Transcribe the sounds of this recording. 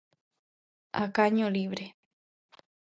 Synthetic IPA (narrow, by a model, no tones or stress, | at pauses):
akaɲõliʋɾe